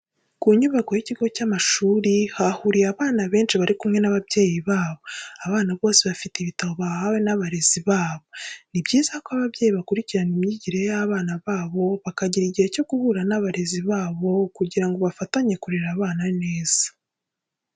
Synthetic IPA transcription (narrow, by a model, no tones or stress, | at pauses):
kuɲuβako̞jiciɡo̞camaʃuːɾihahuɾijaβaːnaβe̞ːnʃiβaɾikumŋe̞naβabje̞ːjiβaːβo̞aβaːnaβo̞ːsiβafiteiβitaβo̞βahawe̞naβaɾe̞ziβaːβo̞nibɟiːzakwaβaβɟe̞ːjiβakuɾiciɾanimɲiɟiɾe̞jaβaːnaβaːβo̞βakaɟiɾiɟihe̞co̞ɡ̥uhuɾanaβaɾe̞ziβaːβo̞kuɟiɾaŋɡo̞βafataɲe̞kuɾeɾaβaːnane̞ːz̥ḁ